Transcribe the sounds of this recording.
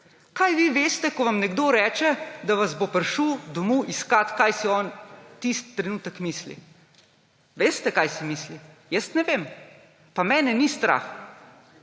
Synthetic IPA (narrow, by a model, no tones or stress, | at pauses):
kajʋiʋeːst̪ɛkɔʋamnɛɡd̪oːɾɛːt͡ʃɛd̪aʋazbopəɾʃud̪ɔmuʔiskat̪kajsiɔnt̪ist̪ːɾɛnuːt̪əkmislḭ | ʋeːst̪ɛkajsimiːslijəst̪nɛʋem | pamɛːnɛnist̪ɾa̰x